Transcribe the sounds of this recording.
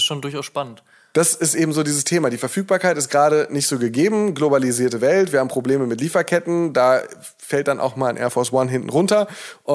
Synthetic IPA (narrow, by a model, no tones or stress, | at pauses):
sʃoːndʊɐçaʊsʃpanənt | d̥asɪstʔeːbm̩zoːdiːzəstʰeːmaːdiːfɛɐfyːk̚b̥aːɐkʰaɪtɪstɡ̥əʁaːɾənɪçtz̥oːɡəɡeːbm̩ɡlobaliziːɐtəvɛltv̥iɐhaːm̩pʁ̥obleːməmɪtliːfɐkʰɛtn̩daː | fɛlt̚d̥anʔa̰ʊxmaːla̰nʔɛ̰ɐfɔɐswanɦɪntn̩ʁʊntɐʔʊ